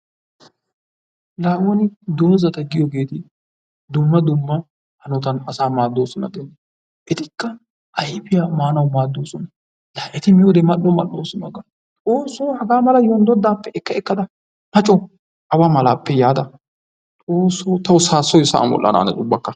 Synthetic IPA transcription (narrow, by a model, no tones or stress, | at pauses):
laːʔwɔnɪd̪o̞ːzɐt̪ɐɡɪjɔɡe̞ːt̪ɪ | d̪ʊmːɐd̪ʊmːɐ | hɐnɔt̪ɐnɐsaːmaːd̪ːoːsɔnɐ̰d̪ɛn | ʔɛt̪ɪkːɐ | ʔɐjɪpɪjamaːnɐwmaːd̪ːoːsɔnɐ | laːʔɛt̪ɪmɪjɔd̪ɛmɐɗɔmɐɗoːsɔnɐɡɐ | t̪ʼoːsːohɐɡaːmɐlɐjɔnd̪ɔd̪ːaːpːɛʔɛkːɐɛkːɐd̪ɐ | mɐt͡ʃʼːɔ | ʔɐwamɐlaːpːɛjaːd̪ɐ | t̪ʼoːsːoːt̪ɐwʊsaːsːɔjsɐ̰ʔɐ̰mwɔ̰lʔɐ̰na̰ːnɐt͡ʃʼʊbːɐkːɐ